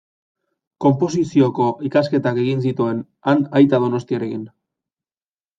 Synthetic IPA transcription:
ko̞mpo̞s̬isio̞ko̞ʔikaske̞t̪ake̞ɣins̬it̪ue̞n | anajt̪aðo̞no̞st̪iaɾe̞kin

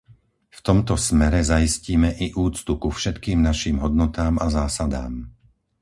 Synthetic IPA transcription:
ft̪ɔmt̪ɔsmɛɾɛzajisciːmɛʔiʔuːt͡st̪ukufʃɛt̪kiːmnaʃiːmɦɔd̪nɔt̪aːmazaːsad̪a̰ːm

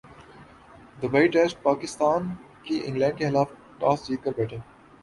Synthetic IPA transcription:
d̪əʋeɪʈɛsʈ̚paːkɪst̪aːn | kiʔɪ̰̃ŋɡlɛ̃ːɳɖkexɪlaːf | ʈaːsd͡ʒiːɾ̚kɐɾbɛːʈə̃n

